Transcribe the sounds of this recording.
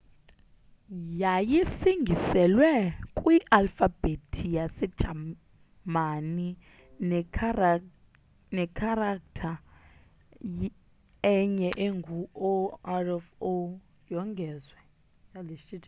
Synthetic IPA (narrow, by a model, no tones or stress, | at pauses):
jajisiŋɡʱisɛlwɛkʼwiʔalfab̥etʰijasɛd̥ʒ̥ʱa | mani | nɛkʰaɾaktʰa | ɛɲɛʔeŋɡʱuoarɛfo | jɔŋɡʱɛzwɛ | jaleʃit